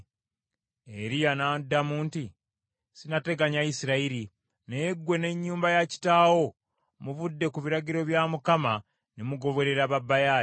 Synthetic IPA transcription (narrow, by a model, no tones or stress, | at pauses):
eɾijanadamuːnti | sinate̞ɡaɲaisiɾaiɾi | neɡwe̞ne̞ɲːuːmbajaci̥taːwo̞ | muvudːe̞kuβiɾaɟiɾo̞βjamukama | nemuɡo̞βo̞ɾe̞ɾaβabːaja